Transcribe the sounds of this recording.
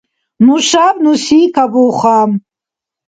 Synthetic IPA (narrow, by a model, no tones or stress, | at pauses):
nuʃabnusiːkʰabuːχam